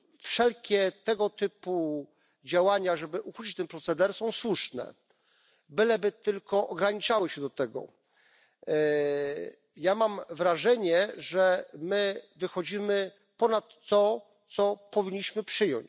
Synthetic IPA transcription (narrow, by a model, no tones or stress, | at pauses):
fʂɛlkʲɛt̪ɛɡɔt̪ɘpu | d͡ʑawaɲaʐɛbɘʔuxut͡ɕit͡ɕt̪ɛnpɾɔt̪sɛd̪ɛɾsɔ̃w̃swuʂnɛ̰ | bɘlɛbɘt̪ɘlkɔʔɔɡɾaɲit͡ʂawɘɕɛd̪ɔt̪ɛɡɔ̰ | jamamvɾaʐɛɲɛʐɛmɘvɘxɔd͡ʑimɘ | pɔnat̪ːɔ | t̪sɔpɔvʲiɲːiɕmɘpʂɘjɔ̰ɲt͡ɕ